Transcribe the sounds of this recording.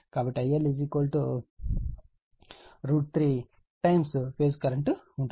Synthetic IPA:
kaːbɐʈːiɐjɐlid͡ʒikoːlʈo | ɾuːʈ̚t̪ʰɾiː | ʈɐjmspeːskɐɾɐɳʈu | uɳʈu

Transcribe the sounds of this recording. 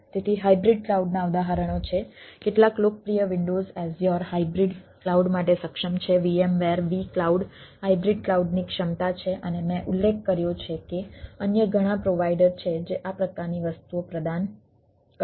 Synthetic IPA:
t̪et̪ʰiɦaibɾiɖklauɖnaəʋd̪aɦaɾəɽ̃ot͡ʃʰekeʈlaklokəpɾijəʋɪɳɖozɛzjɔɾɦaibɾiɖklauɖmaʈesəkʃəmt͡ʃʰeʋiemʋeɾʋiklauɖhaibɾiɖklauɖnikʃəmt̪at͡ʃʰeʔənemɛ̃ʔulːek̚ʰkəɾjot͡ʃʰekeənjəɡʱəɽ̃ãpɾoʋaiɖəɾt͡ʃʰed͡ʒeʔapɾəkaɾniʋəst̪uopɾəd̪an | k

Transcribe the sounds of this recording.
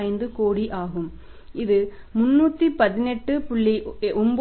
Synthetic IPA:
jɪnd̪ɯkoːɽiʔaːɣɯm | ɪðɯ | mʊnːuːt̪ːipɐðɪnɛʈːɯpʊɭːiʔʊmbo

